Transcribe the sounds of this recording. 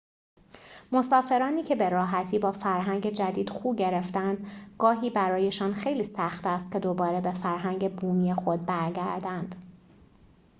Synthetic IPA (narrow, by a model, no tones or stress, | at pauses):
mo̞sɒːfe̞ɾɒːniːcʰe̞be̞ɾɒːɦæt̪ʰiːbɒːfæɾɦæŋɟe̞d͡ʒæd̪iːd̪̥xuːbɟe̞ɾe̞ft̪ænd̪ɡɒːɦiːbæɾɒːje̞ʃɒːnxe̞jliːsæxt̪æst̪̚cʰʲe̞d̪o̞bɒːɾebe̞fæɾɦæŋɟe̞buːmiːjexo̞d̪̚bæɾɡæ̰ɾd̪ænd̪̥